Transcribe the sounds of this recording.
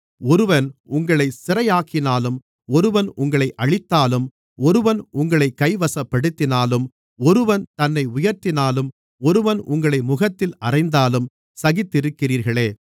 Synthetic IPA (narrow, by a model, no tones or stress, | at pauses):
ɔɾɯʋɐnʊŋɡɐɭɐɪsɪrɐjaːkɪnaːlɯm | ɔɾɯʋɐnʊŋɡɐɭɐɪʔɐɻɪt̪ːaːlɯm | ɔɾɯʋɐnʊŋɡɐɭɐɪkːɐɪʋɐsɐpːɐɽɯt̪ːɪnaːlɯm | ɔɾɯʋɐnt̪ɐnːɐɪʊjɐɾt̪ːɪnaːlɯm | ɔɾɯʋɐnʔʊŋɡɐɭɐɪmʊɣɐt̪ːɪlɐrɐɪnd̪aːlɯm | sɐɣɪt̪ːɪɾɯkːɪriːɾɣɐɭeː